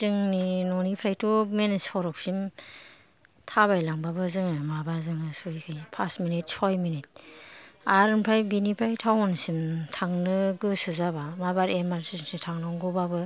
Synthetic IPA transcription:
zɯŋninɔnipʰɾajtumenispʰɔɾɔk̚sim | tʰaβajlaŋbabɯzɯŋɯmabaɾzɯŋɯsuikʰɯjpʰasminit̚sʰɔjminit̚ | aɾɯnpʰɾajbinipʰɾajtʰawɔnsimtʰaŋnɯɡɯsɯzabamabaɾemaɾsisŋsitʰaŋnɔŋɡɔbabɯ

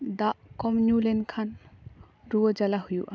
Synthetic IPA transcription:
d̪aʔkɔmnjulɛnkʰan | ɾuwəd͡ʒalaɦujuʔa

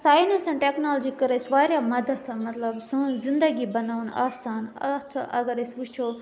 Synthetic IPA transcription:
saːjnesɐ̃nʈeknaːld͡ʒikɐɾɐsʋaːɾjamɐd̪ət̪ʰmɐt̪lɐbsɐzɪnd̪əɡibɐnaːʋna̰ːsaːnɐ̰t̪ʰɐ̰ɡɐɾesʋut͡ʃʰoː

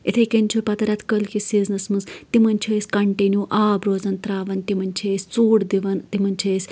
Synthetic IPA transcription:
it̪ʰekinʲt͡ʃʰupɐt̪ɐɾʲɐt̪ʰkəlkisiznɐsmɨnzt̪imɐnʲt͡ʃʰiːsʲkɐɳʈenʲjuːʔaːbɾoːzɐnt̪ɾaːʋɐnt̪imɐnʲt͡ʃʰeːsʲt͡suːɽd̪iʋɐnt̪imɐnʲt͡ʃʰeːsʲ

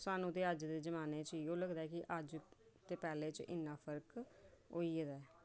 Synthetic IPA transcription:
saːnũːt̪eːəd͡ʒd̪eːzəmaːneːt͡ʃijõːləɡd̪aɛːkɪʔəd͡ʒt̪eːpɛːleːt͡ʃɪ̰nːãːpʰəɾkɦoːiːd̪aː

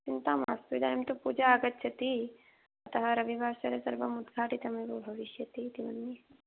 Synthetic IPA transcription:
t͡ʃint̪aːma̰ːst̪ʋid̪aːnɐmt̪opuːd͡ʒaːɡɐt̪ːt͡ʃʰɐt̪i | ɐt̪ɐɦɐɾɐbʱibʱaːʃɐɾesɐɾbɐmud̪ɡʱaːʈit̪ɐmɐjbubʱɐʋiʃjɐt̪it̪imɐnːi

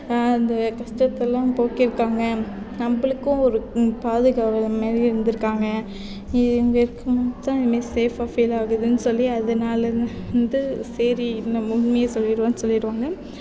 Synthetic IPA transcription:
ɐnd̪ɐkɐʂʈɐt̪ːɛlːãːpoːkɪɾɯkːaːŋɡɐ | nɐmbɐɭɯkːʊ̃ɔɾɯpaːðɯɣaːɾɐlmaːdiɪɾɯnd̪ɯɾɯkːaːŋɡɐ | ɪŋɡɐɪɾɯkːɐmɐt̪ãːɪðɯmeːseːfaːfilaːɣɯðɯnːɯsɔlːiɐðɐnaːlɐɾ | nd̪ɯseːɾinːɐmʊɻmɐjeːsɔlːɪɾɯʋãːnːsɔlːɪɽɯʋaːŋɡɐ

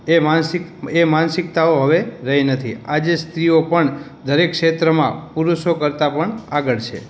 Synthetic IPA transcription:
emansɪkemansɪk̚t̪aoɦəʋeɾəɦinət̪ʰḭad͡ʒest̪ɾiopəɳ | d̪ʱəɾekʃet̪ɾəmã̰puɾuʃokəɾt̪apəɳaɡəɭt͡ʃʰḛ

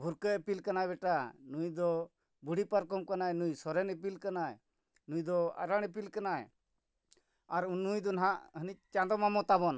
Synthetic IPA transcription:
bʱuɾkəepilkanabɛʈanujd̪ɔ | buɽipaɾkɔmkanajnujsɔɾɛnəp̬ilkanaj | nujd̪ɔa̰ɾaɽ̃ep̬ilkanaj | aɾnujd̪ɔnaɦaʔɦənic̚t͡ʃãd̪ɔmamɔt̪abɔn

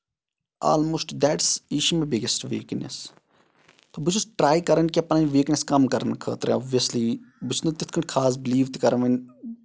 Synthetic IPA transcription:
a̰ːlmoːsʈd̪ɛʈsiʃumebɪɡesʈʋḭːknḛs | t̪oːbut͡ʃʰusʈɾaːjkɐɾɐnkiɐpɐnɐːnʋiːkneskɐmkɐɾənkʰə̰ːt̪ɾḛ̃ɔːʋʋijɐslibʊt͡ʃʰnut̪it̪ʰkʰɐ̃ɳʈʲkʰaːs̬bɪliːʋt̪ikɐɾɐʋɐn

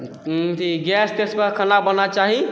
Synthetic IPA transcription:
t̪ʰiɡɛst̪eskəkʰənabənat͡ʃaɦi

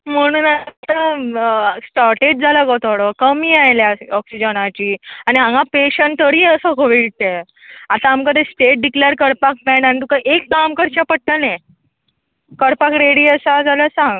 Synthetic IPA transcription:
m̤əɽ̃uːnat̪a | sʈaɾʈeɖ̚d͡zʱaləɡot̪oɽəkəmiːajljaɔksid͡ʑənat͡ɕiːañiãŋɡãpeɕəɳt̪əɾiːəsəkoʋiɽt̪e | at̪aːmkəd̪esʈeʈ̚ɖikleɾkəɾpak̚mɛnañit̪ukaʔekkamkəɾt͡ɕapəɽ̚ʈ̪ənẽ | kəɾpakɾeɽiːəsad͡zaləsãŋɡ

